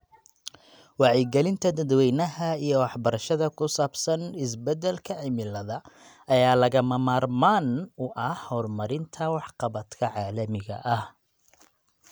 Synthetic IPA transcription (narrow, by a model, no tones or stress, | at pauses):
wɑʕjɛɡɛlɪnt̪ʰɐd̪ɐd̪wɛjnɐɦɐijɔwɑħbɐɾɐʃɐðɐkʰʊsaːbsɐnɪsbɛd̪ɛlkʰɐʕɪmɪlɐðɐ | ɐjaːlɐɣɐmɐmaːrmaːnʊʔɐhɔːrmɐɾɪnt̪ʰɐwɑħqɑβɐd̪kʰɐʕɑːlɐmɪɣɐ̰ʔɐh